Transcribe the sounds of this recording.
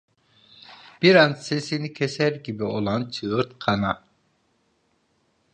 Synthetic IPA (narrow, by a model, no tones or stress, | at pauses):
b̥iɾanse̞sinicʰesæɾɟibio̞lˠant͡ʃʰɯɯɾt̪kʰɑna